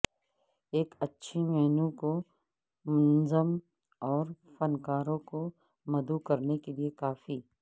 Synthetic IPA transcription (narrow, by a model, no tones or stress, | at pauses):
eːkɐtːʃʰimɛɦnũko | mɐnzəm | ɔːɾfɐnkaːɾõko | mɐd̪ukɐɾnekeliekaːfiː